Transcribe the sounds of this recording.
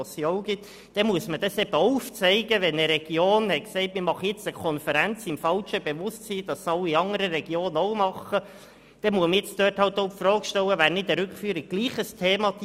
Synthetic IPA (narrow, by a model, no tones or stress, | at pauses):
sjoʊɡ̥ɪt̪ | d̥ɛmuəsməd̥ɑsɛbəouft͡sɛɪɡəʋɛnəɾɛɡ̥joːnhɛtksɛɪtmɪɾmɑχəjɪt͡səkʰɔnfəɾænt͡sɪmfɑlʃəb̥eʋʊstsiːd̥ɑsɑlːiiɑŋəɾəɾɛɡ̥joːnɔʊmɑχə | d̥ɛmuəməjɪt͡sd̪̥øːthɑlt̪oʊpfrɔːkʃtɛwəvæːɾnɪtəɾʏkfyːɾɪɡ̚ɡ̥liːχəstʰeːmɑt